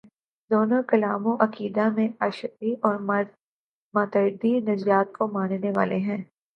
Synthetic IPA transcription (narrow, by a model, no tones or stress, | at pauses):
d̪oːnõkɐlaːmõʔɐkiːd̪amẽɐʃtiʔɔːɾm | mãːt̪əɪd̪inɐzijaːt̪̚kʰomaːnneʋa̰ːleɦɛ̃ː